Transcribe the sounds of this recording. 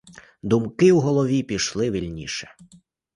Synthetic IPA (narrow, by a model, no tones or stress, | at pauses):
d̪umkɪwɦɔlˠɔʋʲipʲiʃlˠɪʋʲilʲnʲḭʃɛ̥